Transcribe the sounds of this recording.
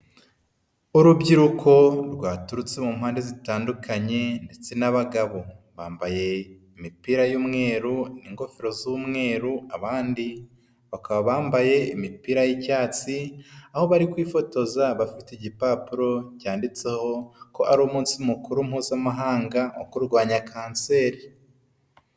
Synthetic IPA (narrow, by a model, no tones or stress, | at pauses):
uɾubɟiɾukʰo̞ɾɡwaːtuɾut͡se̞mum̥haːnde̞zitaːndukʰaɲe̞nde̞t͡se̞naβaɡaβo̞βaːmbaje̞imipiːɾajuːmŋe̞ːɾuniŋɡo̞feɾo̞zumŋe̞ːɾuaβaːndi | βakaβaβaːmbaje̞imipiːɾajicaːt͡siaho̞βaɾikwiːfo̞to̞zaβafiteɟipaːpuɾo̞caːndit͡se̞ho̞koʔaɾumuːnsimukuɾum̥huːzamaɦaːŋɡao̰kuɾɡwaːɲakʰaːnse̞ːɾi